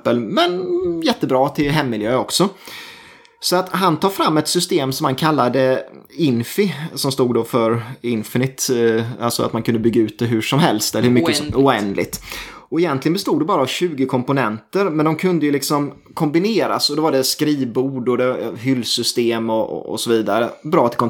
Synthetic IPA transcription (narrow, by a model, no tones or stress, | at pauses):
pəlmɛnjɛt̪ːəbɾɑːt̪ʰɪlɦɛmːɪljøːɔksɔ | sɔat̪ɦant̪ʰɑːfɾamːɛt̪sʏst̪eːmsɔmhankʰalːad̪ə | ɪnfɪsɔmst̪uːɡd̪ofœɾɪnfɪnɪt̪alsɔa̰t̪mankʰɵnd̪əbʏɡːaʉ̟ːt̪̚d̪ɛɦʉʂɔmɦɛlst̪ɛlːəhʉmʏːəʊɛnd̪lɪ̰ɡ̚t̪ɔɛjɛnt̪lɪɡənbɛst̪uːd̪ɛbɑːɾaːvɕʉ̟ːɡɪkʰɔmpʊnɛnt̪əɾmɛnd̪ɔmkʰɵnd̪əjɵlɪksɔm | kʰɔmbɪneːɾa̰sɔd̪ɔvaɖɛskɾiːvbuːɖɔd̪ɛɦʏlːsʏst̪eːmɔ̰sɔviːd̪aɾəbɾɑːt̪ʰɪlkʰɔ